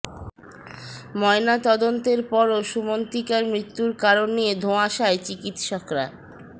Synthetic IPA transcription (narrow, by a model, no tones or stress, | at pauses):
mɔenat̪ɔd̪ont̪eɾpɔɾoʃumont̪ikaɾmɾit̪ːuɾkaɾonːijed̪ʱoaʃaet͡ɕikit̪ʃɔkɾa